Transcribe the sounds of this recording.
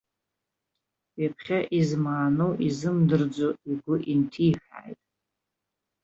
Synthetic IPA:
apʰχʲaʔizmaːnowʔizɨmdɨrd͡zoiɡʷʊʔintʰiːħa̰ːjtʼ

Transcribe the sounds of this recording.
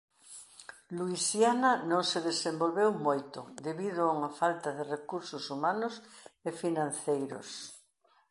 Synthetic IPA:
luisjanɐnõŋseðesẽmbolβewmojt̪ʊ̰d̪eβiðʊauŋafalt̪aðerekuɾsʊsumanʊsefinãn̟θejɾʊ̰s

